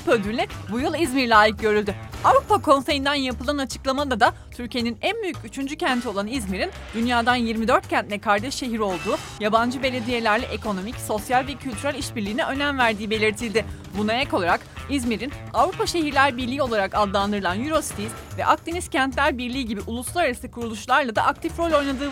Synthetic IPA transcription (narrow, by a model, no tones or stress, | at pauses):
pød̪ylːʲɛbujɯlˠizmiɾlʲaːjɯk̚ɟø̞ɾylʲd̪yavɾupakʰo̞nse̞jind̪anjapɯlˠanat͡ʃʰɯ̥klˠamad̪ad̪at̪ʰyɾcʰije̞ninænbyjycyt͡ʃʰynd͡ʒycʰænt̪ʰio̞lˠanizmiɾind̪ynjaːd̪anjiɾmid̪ø̞ɾt̪cʰænt̪lʲɛkʰaɾd̪ɛʃːe̞ɦiɾo̞lˠd̪uː | jaband͡ʒɯbe̞lʲe̞d̪ije̞lʲæɾlʲɛʔeko̞no̞micso̞sjalʲvɛcʰylʲt̪ʰyɾælʲiʃbiɾlʲiːnɛʔø̞næmvæɾd̪iːbe̞lʲiɾt̪ʰilʲd̪ɪ | bunaɛcolˠaɾakizmiɾinavɾupaʃe̞ɦiɾlʲæɾbiɾlʲiːo̞lˠaɾakad̪ːˠand̪ɯɾɯlˠanjyɾo̞si̥t̪ʰizvɛ̰ʔak̚t̪iniscʰænt̪lʲæɾbiɾlʲiːɟibiʔulˠuslˠaɾaɾasɯkʰuɾulˠuʃlˠaɾlˠad̪a̰ʔak̚t̪ʰifɾo̞lʲo̞jnad̪ɯː